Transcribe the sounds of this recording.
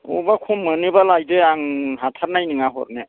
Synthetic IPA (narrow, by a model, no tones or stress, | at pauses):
ṵbakʰumːɯnibalajdɯaŋɦatʰaɾnajniŋaɦɔ̰ɾne